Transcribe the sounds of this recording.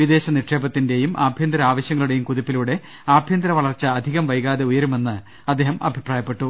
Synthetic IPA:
ʋid̪e̞ːɕɐniʈʂeːbɐt̪ːinde̞jumʔa̰ːbʱjɐnd̪ɾɐaːʋɐɕjɐŋːɐɭuɽe̞jumkuðipːiluɽe̞ | aːbʱjɐnd̪ɾɐʋɐɭɐrt͡ɕːɐːd̪ʱiɣɐmʋɐjɣaːðeujɐɾume̞nːɨ | ɐd̪ːe̞ːɦɐmɐ̰bʱipraːjɐpːe̞ʈːu

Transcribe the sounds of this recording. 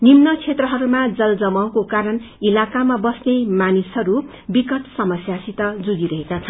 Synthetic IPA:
nimnʌt͡sʰet̪rʌɦʌɾumad͡zʌld͡zʌmaw̃kokaɾʌn | ilakamabʌsnemanisɦʌɾu | bikʌʈsʌmʌsjasit̪ʌd͡zudiɾʌɦekat͡sʰʌn

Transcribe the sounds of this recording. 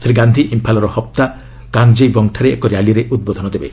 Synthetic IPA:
t̪ʰɾiɡand̪ʱiʔimpʰalɔɾɔhɔp̚t̪a | kaŋd͡ʒejbɔŋʈʰaɾeḛkoɾjaliɾeʔud̪̚bod̪ʱɔnɔd̪ebe

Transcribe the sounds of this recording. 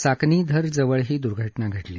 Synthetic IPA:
sakniːd̪ʱəɾd͡zəʋəɭɦiːd̪uɾɡʱəʈnaɡʱəʈlḭː

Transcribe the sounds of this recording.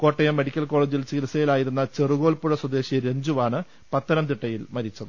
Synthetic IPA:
ko̞ːʈːɐjɐmːe̞ɽikʲːɐlkoːɭeːd͡ʑilt͡ɕilɐsɐjilaːjiɾunːɐt͡ɕeruɣo̞ːlpuɻɐswɐd̪e̞ːɕiɐɾeɲd͡ʑuʋaːɳɨ | pɐt̪ːɐɾɐmt̪̬iʈːɐjilmɐɾit͡ɕːɐðɨ

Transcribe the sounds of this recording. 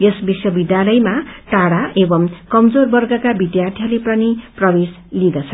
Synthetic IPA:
jesbiswʌbid̪jalʌjmaʈaɽaʔebʌmkʌmd͡zorbʌrɡʌkabid̪jart̪ʰjalepʌniprʌbes | lid̪ʌt͡sʰʌ

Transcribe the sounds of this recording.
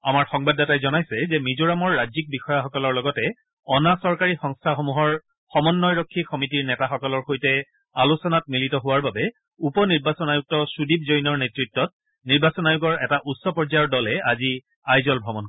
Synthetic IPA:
amaɹxɔŋbadatajzɔnajsɛzɛmizoɹamɔɹːad͡ʒzik̚bixɔjaxɔkɔlɔɹlɔɡɔtɛ | ɔnasɔɹkaɹixɔŋstʰaxɔmuɦɔɹ | xɔmɔnːɔjɹɔkʰːixɔmitiɹnɛtaxɔkɔlɔɹxojtɛ | alusɔnat̚militɔɦʊwaɹbabɛ | upɔniɹbasɔnajuk̚tɔsudib̚zojnɔɹnetɹitːɔt̚ | niɹbasɔnajuɡɔɹɛtaʔutsɔpɔɹzajɔɹdɔlɛazi | ajzɔlbʱɹɔmɔn

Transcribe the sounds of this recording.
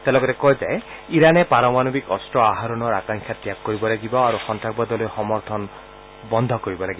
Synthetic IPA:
t̪elɔkɔɾekɔjd͡ʒaeiɾanepaɾɔmanɔbikɔstɾɔaɦaɾɔnɔɾakaŋkʰjat̪jak̚kːɔɾibɔlaɡibɔaɾuxɔntak̚bɔd̪ɔlɔxɔmɔɾt̪ʰɔn | bɔnd̪ʱɔkɔɾibɔlaɡibɔ

